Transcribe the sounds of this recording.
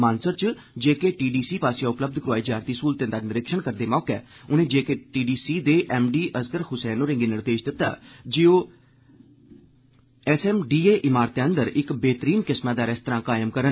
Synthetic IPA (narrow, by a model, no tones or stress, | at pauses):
maːnsəɾt͡ʃ | d͡ʒeːkeːʈiːɖiːsiːpaːsjãːʊpləb̚d̪kɾʊaːiːd͡ʒaːɾt̪iːskuːlt̪ẽnd̪aːnɪɾɪkʃəɳkəɾd̪eːmɔːkɛːʊnẽːd͡ʒeːkeːʈiːɖiːsiːd̪eːʔɛːmɖiːʔəskəɾhʊsɛːnoːɾɪ̃ŋɡeːnɪɾd̪eːʃd̪ɪt̪ːa̰ːd͡ʒeːoː | ɛsɛːmɖiːeːʔɪmaːɾt̪ːeə̃nd̪əɾɪkbeːt̪əɾiːnkɪsmaːd̪aːɾɛːst̪əɾãːkaːjəmkəɾən